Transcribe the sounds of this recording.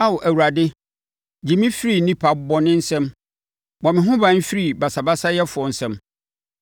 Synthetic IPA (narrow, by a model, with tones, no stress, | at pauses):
a˦wɔ˨ʔæ˨wu˨ɾa˨dɪ˦ | d͡ʑi˨mĩ˦fi˦ɾi˦nĩ˦pʰa˨bɔ˨nɪ̃˦n̩˦sɛ̃˦m | bɔ˨mɪ̃˨ɦʊ̃˦bã˦n̩˦fi˦ɾi˦˨ba˨sa˨ba˦sa˦jɛ˦fʊ˨ɔ˨n̩˨sɛ̃˦m